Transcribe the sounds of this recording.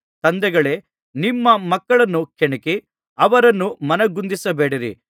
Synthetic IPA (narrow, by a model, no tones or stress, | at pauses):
t̪ɐnd̪ɛɡɐɭe̞ː | nimːɐmɐkːɐɭɐnːukeɳɐki | ɐʋɐɾɐnːumɐnɐɡund̪isɐbeːɽiɾḭ